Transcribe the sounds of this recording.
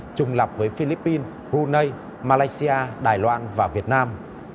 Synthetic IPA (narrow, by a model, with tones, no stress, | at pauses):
t͡ɕʊ˨˧˩ŋ͡mla˨˩wp̚vəː˨˦jfi˧li˦˥pːi˧n | ɣu˧nə˧j | maː˧laː˧jsi˧ʔaː˧ɗaː˨˩jlwaː˧nvaː˨˩vi˨˩ət̚naː˧m